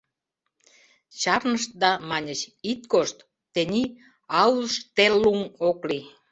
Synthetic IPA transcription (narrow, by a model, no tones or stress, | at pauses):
t͡ɕɑrnəʃt̪̚d̪ɑmɑnʲət͡ɕit̪koʃt̪ː | enʲi | ɑwləʃt̪elːumokli